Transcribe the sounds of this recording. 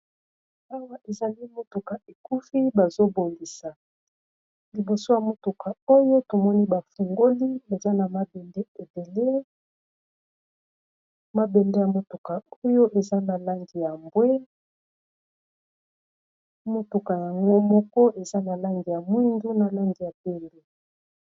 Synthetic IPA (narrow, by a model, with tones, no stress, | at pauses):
a˦wa˦ʔe˨za˨li˦mo˦tu˨ka˨ʔe˨ku˦fi˦ba˨zo˦bo˨ŋɡi˨sa˨ | li˨bo˨so˦ja˨mo˨tu˨ka˨o˦jo˦to˨mɔ˦ni˦ba˨fu˨ŋɡo˦li˦e˨za˦na˨ma˦bɛ˨nde˦e˨be˨le˦ | ma˦be˨nde˦ja˨mo˦tu˨ka˨o˦jo˦ʔe˨za˦na˨la˦ŋɡi˨ja˨mbwe˦ | mo˦tu˨ka˨ja˨ŋɡo˦mɔ˦kɔ˦ʔe˨za˦na˨la˦ŋɡi˨ja˨mwi˦ndu˦na˨la˦ŋɡi˨ja˨be˦mbe˨